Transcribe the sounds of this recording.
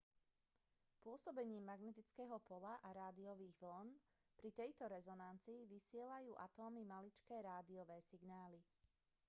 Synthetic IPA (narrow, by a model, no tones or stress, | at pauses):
pʊɔsɔbɛɲiːmːaɡnɛt̪̬it͡skɛːɦɔpɔlaʔaɾaːd̪iɔʋiːɣʋln | pɾit̪ɛjt̪ɔɾɛzɔnant͡siːʋisɪɛlajuːʔat̪ɔːmimalit͡ʃkɛːɾaːd̪iɔʋɛːsiɡnaːli